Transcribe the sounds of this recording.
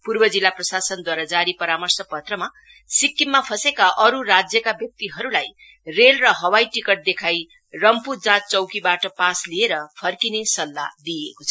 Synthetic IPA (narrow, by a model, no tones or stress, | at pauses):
purbʌd͡zilːaprʌsasʌnd̪waɾad͡zaɾipʌɾamʌrsʌpʌt̪rʌma | sikːimːapʰʌsekaʔʌɾuɾad͡zjʌkabjʌk̚t̪iɦʌɾulaj | relrʌɦʌwajʈikʌʈ̚d̪ekʰaj | rʌmpud͡zãt͡st͡sʌwkibaʈʌpaslieɾʌpʰʌrkinesʌlːa̰d̪iekot͡sʰʌ